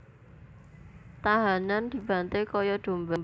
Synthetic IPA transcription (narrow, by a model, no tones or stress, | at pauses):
t̪aɦanand̪̥i̤b̥a̤nt̪ekɔjɔɖ̪̥o̤mbʊb